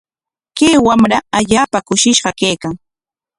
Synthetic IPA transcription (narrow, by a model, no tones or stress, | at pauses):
keːwamɾaaʎaːpakʊʃɪʃɢɑkeːkaŋ